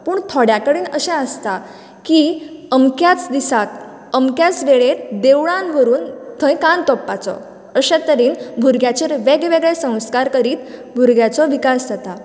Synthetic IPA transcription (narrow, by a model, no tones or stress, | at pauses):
puːɳt̪ʰɔɽjakəɽiːnəɕɛ̃əst̪a | kiəmkjat͡sd̪isak | əmkjat͡sʋeɭeɾd̪eʋɭanbʱəɾuːnt̪ʰəjkant̪ɔpːat͡sɔ̰ | əɕɛ̃t̪əɾiːnbʱuɾɡjat͡ɕeɾʋeɡʋeɡɭɛsə̃w̃skaɾkəɾiːt̪bʱuɾɡjat͡sɔʋikasd̪ʱat̪a